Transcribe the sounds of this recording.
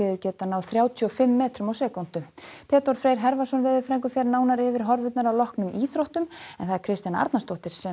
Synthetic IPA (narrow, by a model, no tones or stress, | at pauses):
ɪðʏɾcɛːt̪anawθɾjaːwt̪ʰyɔfɪmːɛːt̪ɾʏmawsɛːkɔn̥t̪ʏt̪ʰɛːt̪ɔɾ̥fɾeːjɾ̥ɦɛɾvasɔnvɪðɪfɾɛŋk̬ʏfjɛɾnaːwnaɾɪvɪɾ̥ɦɔɾvʏt̪naɾawlɔhknʏmiːθɾowht̪ʏmɛnθaðɛɾ̥kʰɾɪst̪jana̰ɾt̪nast̪ɔht̪ɪɾ̥sɛ